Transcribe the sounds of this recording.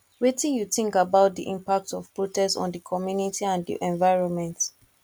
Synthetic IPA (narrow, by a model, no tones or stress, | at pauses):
ɹetĩjuθĩŋkabaʊt̚dḭʔḭ̃mpak̚tɔv̥pɹotɛsɔ̰̃ndəkʰɔmjunitʰiãndḭʔɛ̃ɱvaɪɹɔ̃nmɛ̃nt